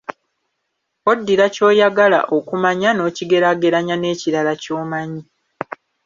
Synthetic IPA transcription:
o̞dːiɾaco̞ːjaɡala̰ʔo̞kumaɲano̞ːciɡe̞ɾaɡe̞ɾaɲane̞ːciɾalaco̞ːmaɲi

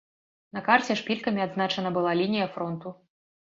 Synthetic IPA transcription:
nɐkart͡sʲɛʂpʲilʲkɐmʲiad̪znat͡ʂɐnɐbɨlˠalʲinʲijɐfɾɔnt̪u

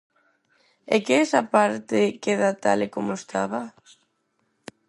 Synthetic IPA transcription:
ekeɛsapaɾt̪ɪkeðat̪a̰lekomoest̪ʰaβa

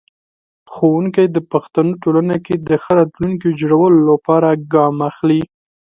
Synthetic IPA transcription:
xowuŋkajd̪əpaxt̪anoʈolanaked̪əxəɾɑt̪luŋkid͡ʒɽawəlolapɑɾaɡɑmaxli

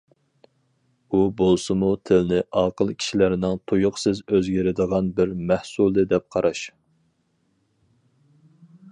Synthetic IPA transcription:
ubolˠsɨmut̪ʰɪlnɪʔɑːqəlˠkʲʰi̥ʃilæɾnɪŋt̪ʰujʊqsɪzøzɡʲɪɾɪd̪əʁɑnbɪɾmæhsulˠd̪ɨd̪ɛp̚qʰɑɾɑʃ

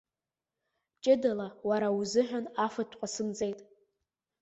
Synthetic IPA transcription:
t͡ʃʼɪdalawaɾauzɨħʷᶣanafɨtʷʰqʷʼasɨnd͡zʼejtʼ

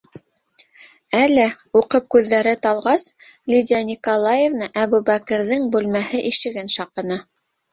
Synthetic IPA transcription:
ælɘ | uqɤp̚kʉðːæɾɘt̪ɑlˠʁɑslʲidʲænʲikolˠajevnɑʔæβubækɘ̆ɾðɘŋbʉlmæhɘʔiʃɘ̆ɡɘnʃɑqɤ̆nɤ

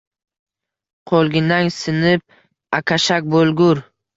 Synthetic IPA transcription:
qʰolˠɡʲɪnaŋsɪnɪp̚ | akʲʰaʃak̚ʲbolˠɡʊɾ

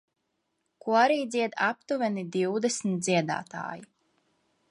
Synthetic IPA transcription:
kuaɾiːd̪zʲiɛd̪ap̚t̪uvɛnid̪iwd̪ɛsmit̪̚d̪ziɛd̪a̰ːt̪a̰ːji

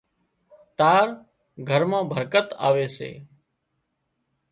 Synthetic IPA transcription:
t̪aːɾ | ɡʱəɾmãːbʱəɾkət̪a̰ːʋeːsḛː

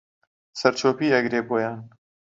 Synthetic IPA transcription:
sɐɾt͡ʃʰoːpiːɐɡɾeːboːjaːn

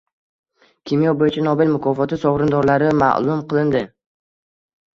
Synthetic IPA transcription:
kʲʰimijɒbojɪt͡ʃʰanɒbɪlmʊkʰɒfɒt̪ɪsɒʁɾɪnd̪ɒɾlaɾɪma̰ʔlˠʊmqʰɨlˠɪnd̪ɪ

